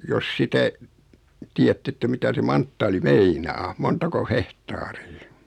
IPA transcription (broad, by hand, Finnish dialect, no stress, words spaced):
jos sitæ tiːætː etːæ mitæ se mɑntːɑːli meinɑː montɑko hehtɑːriː